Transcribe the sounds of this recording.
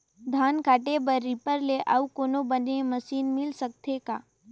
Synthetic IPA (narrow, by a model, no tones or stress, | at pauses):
d̪ʱaːnkaːʈebəɾːɪpəɾleʔɐ̰ukoːnobəneməsiːnmɪlsək̚t̪ʰekaː